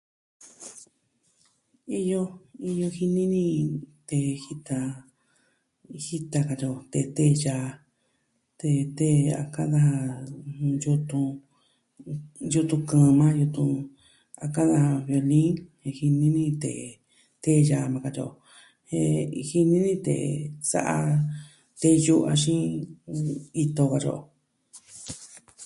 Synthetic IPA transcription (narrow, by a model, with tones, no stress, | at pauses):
i˧jo˧i˧jo˧hi˧nĩ˦nĩ˦˧t̪e˧˨hi˦t̪a˧ | hi˦t̪a˧ka˧t͡ʃo˧˨t̪e˧t̪e˦˧ja˧ | t̪e˧t̪e˦a̰˧ka˦ða˧ha˧ | ju˧t̪ũ˧ | ju˧t̪ũ˧kã˧˨˧mã˦ju˧t̪ũ˧ | a˧ka˦ða˧ha˧βjo˧lĩ˦ŋhe˧hi˧nĩ˦nĩ˧t̪ḛ˨ | t̪e˦ja˧˨˧mã˧ka˧t͡ʃo̰˧˨ | he˧hi˧nĩ˦nĩ˦t̪ḛ˨sa̰˦ʔa˧ | t̪e˧ju˦ʔa˧ʃĩ˦ | i˧t̪o˧ka˧ʐo̰˨ʔ